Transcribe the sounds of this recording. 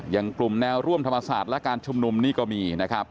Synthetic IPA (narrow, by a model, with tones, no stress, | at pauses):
ja˨˩ŋklu˨˩mnɛː˧wɾu˥˩əmt̪ʰa˧mːa˧sa̰ː˨˩t̪̚lɛ˦˥kaː˧nt͡ɕʰu˧mnu˧mniː˥˩kɔː˥˩miː˧na˦˥kʰɾa˦˥p̚